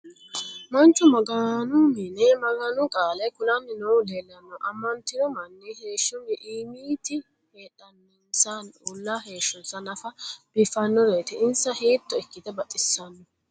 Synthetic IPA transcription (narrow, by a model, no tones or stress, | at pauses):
mɐnt͡ʃːʊmɐɡanʊmɪnɛmɐɡɐnʊkʼaːlɐjkʊlɐnːɪnɔwd̪eːlːɐnːɔʔɐmːɐnt̪ːɪd̪ɔmɐnːɛhe̞ːʃːɔnːɛʔiːmiːt̪ɪ | heːᶑɐnːɛnsɐnulːaːɦeːʃːʊnsɐnɐfɐb̥ɪfɐnːɔɾeːt̪ɪɪnsɐheːt̪ːɔɛkːɪt̪ɛbɐt̪ʼːɪsːɐnːɔ